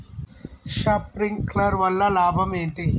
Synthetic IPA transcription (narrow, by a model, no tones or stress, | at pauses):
ʃɐpɾiŋɡklɐɾʋɐlːɐlaːbʱɐmeːɳʈi